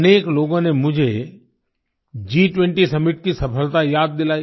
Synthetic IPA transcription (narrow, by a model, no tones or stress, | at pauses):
əneːkloːɡõnemʊ̃d͡ʒʱe | d͡ʒiːʈʋẽɳʈisɐmɪʈ̚kisɐpʰəlt̪ajaːd̪̚ːɪlaːi